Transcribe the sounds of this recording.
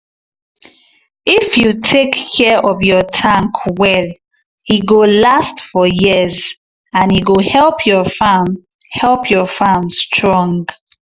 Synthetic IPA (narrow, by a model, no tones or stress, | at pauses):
ifjutʰekːʰɛʔɔvjɔtʰãŋkʰwɛl | iɡolastfɔjiz | ãniɡohɛlpʰjɔfam | hɛlpʰjɔfamstʰɹɔ̃ŋɡ